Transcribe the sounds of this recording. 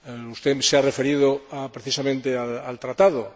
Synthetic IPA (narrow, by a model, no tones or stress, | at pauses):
ust̪esearefe̞ɾiðoapɾeθisamẽnt̪eaalt̪ɾat̪aðo